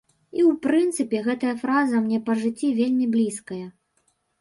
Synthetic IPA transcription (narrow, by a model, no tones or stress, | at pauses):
iwpɾɨnt̪sɨpʲɛɣɛt̪ɐjɐfɾazɐmnʲɛpɐʐɨt͡sʲːivʲelʲmʲiblʲiskɐjɐ